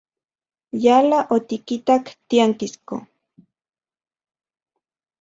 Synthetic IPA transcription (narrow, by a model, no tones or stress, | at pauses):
jalaʔot̪ikit̪akt̪iaŋkisko̰